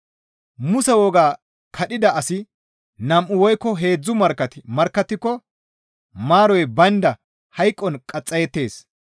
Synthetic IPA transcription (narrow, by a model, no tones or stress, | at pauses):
mʊsɛwɔɡaː | kʰɐɗɪd̪ɐʔɐsɪ | nɐmʔʊwɔjkːɔɦe̞ːd͡zːʊmɐɾkːɐt̪mɐɾkːɐt̪ːɪkːɔ | maːɾɔjbɐnd̪ɐ | hɐjkʼːɔnkʼɐt͡sʼːɐjɛt̪ːe̞ːs